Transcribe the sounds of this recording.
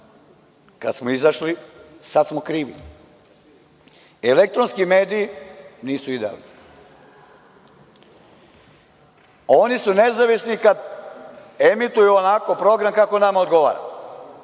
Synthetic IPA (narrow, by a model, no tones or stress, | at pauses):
kad̪smoizaʃlisad̪smokɾiːʋḭ | elek̚t̪ɾonskime̞ːd̪iːniːsuid̪ea̰lˠni | o̞nisune̞zaʋisnikad̪ | emit̪ujuonako̞pɾo̞ɡɾamkakonamao̞d̪ɡo̞ʋa̰ːɾa̰